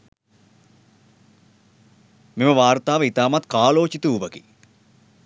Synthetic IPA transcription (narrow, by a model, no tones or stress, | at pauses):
miməʋaːrt̪aːʋəit̪aːmat̪kaːloːt͡ʃit̪uuʋəki